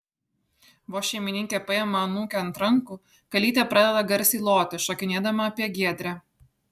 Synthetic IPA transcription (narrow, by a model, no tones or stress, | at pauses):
ʋoːʃʲɛɪmʲɪnʲɪŋʲkʲeːpɐjɛmɐɐnuːkʲɛɐnt̪ɾɐŋku | kɐlʲiːt̪ʲepɾɑd̪ʲɛd̪ɐɡɐɾʲsʲiːlˠoːt̪ʲɪʃokʲɪnʲeːd̪ɐmɐɐpʲiɛɡʲiɛd̪ʲɾʲæ